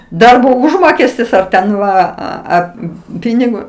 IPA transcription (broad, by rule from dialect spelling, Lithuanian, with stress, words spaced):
ˈdɐrboː ˈʊʒmoːkʲɛsʲtʲɪs ɐr tʲɛn ˈʋɐ ˈɐ ˈɐ ˈpʲiːnʲɪɡoː